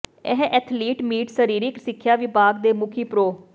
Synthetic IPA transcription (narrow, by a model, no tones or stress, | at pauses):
ɛ̰ɦʔɛːt̪ʰliːʈmiːʈsəɾiːɾɪksɪkʰːjaːʋɪbaːɡd̪eːmʊkʰiːpɾoː